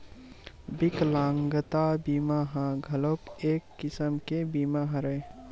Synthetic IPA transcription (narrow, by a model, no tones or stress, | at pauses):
bɪklãːŋɡət̪abiːmaɦãɡʱɐlokeːkːɪsəmkebiːmaɦɐ̃ɾe